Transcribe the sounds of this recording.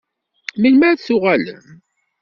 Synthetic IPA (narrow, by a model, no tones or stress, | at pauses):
milmæɾθʊʁæl